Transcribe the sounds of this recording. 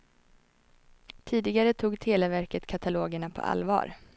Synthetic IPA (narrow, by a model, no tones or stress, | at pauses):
t̪ʰiːd̪ɪɡaɾət̪ʰuːɡt̪ʰeːlavæɾkət̪kʰat̪ʰaloːɡəɳapʰɔ̰ʔa̰lvɑ̰ːɾ